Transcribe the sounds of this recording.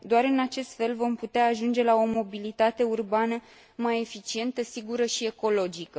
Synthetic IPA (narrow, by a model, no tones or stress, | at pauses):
d̪oaɾɨnat͡ʃe̞st̪fe̞lvo̞mput̪eaːʒund͡ʒe̞lao̞mo̞bilit̪at̪e̞urbanə | maje̞fit͡ʃie̞nt̪əsiɡuɾəʃie̞ko̞lo̞d͡ʒikə